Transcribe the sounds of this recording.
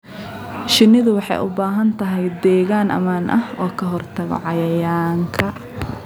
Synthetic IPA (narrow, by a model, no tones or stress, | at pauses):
ʃɪnːɪðʊwɑħɑ̰jʔʊ̰baːɦɐnt̪ʰɐɦɛjd̪ɛːɣaːnʔɐ̰maːnʔɐ̰hɔːkʰɐɦɔrt̪ʰɐɣɔ̰ʕɑjɐjaːŋkʰɐ